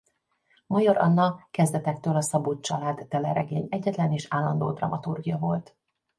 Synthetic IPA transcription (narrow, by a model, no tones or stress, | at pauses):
mɒjɒɾɒ̰nːɒkɛzd̪ɛt̪ɛk̚t̪øːlɒsɒbut̪̚t͡ʃɒlaːd̪ːɛlɛɾɛɡeːɲɛɟːɛt̪lɛneːʃaːlːɒnd̪o̰ːd̪rɒ̰mɒt̪urɡijɒvo̞lt̪